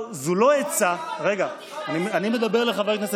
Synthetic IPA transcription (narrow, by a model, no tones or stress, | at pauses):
zulo̞et͡saʁe̞ɡaː | nimanime̞d̪abe̞ʁleχavajknese